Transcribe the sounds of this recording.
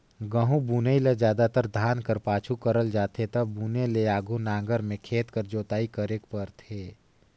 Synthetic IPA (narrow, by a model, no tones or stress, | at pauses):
ɡəɦũbuːnəiled͡ʒjaːd̪at̪əɾd̪ʱaːnkəɾpaːt͡ʃʰukəɾəld͡ʒaːt̪ʰet̪ɐbuːneleaːɡʱunãːŋɡəɾmẽkʰeːt̪kəɾd͡ʒoːt̪aːikəɾeːkpəɾt̪ʰeː